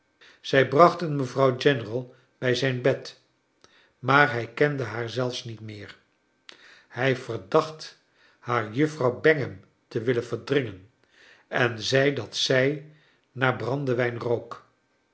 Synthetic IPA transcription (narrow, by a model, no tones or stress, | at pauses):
z̥ɛjbrɑχtənməvrɑwd͡ʒɛnərəlˠ | b̥ɛjzɛjnbɛt | maːɹɦɛjkɛndəɦaːɹzɛlˠfsnitmɪːr | hɛjvərdɑχt | haːɹjɵfrɑwbɛŋəm | təʋɪlənvəɹdrɪŋən | ɛnzɛjdɑtsɛj | naːɹbrɑndəʋɛjnrowk